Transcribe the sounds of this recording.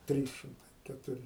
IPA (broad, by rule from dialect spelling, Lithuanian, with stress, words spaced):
ˈtʲrʲiːs ʃʲɪmˈtɐɪ kʲɛtʊˈrʲɪ